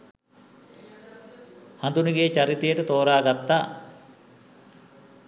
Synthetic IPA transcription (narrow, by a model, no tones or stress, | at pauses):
hand̪uniɡeːt͡ɕaɾit̪ejəʈət̪oːɾaːɡat̪ːaː